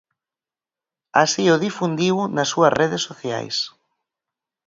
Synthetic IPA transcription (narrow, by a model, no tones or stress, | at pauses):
asioðifund̪iwnasːuɐzreðesːoθja̰js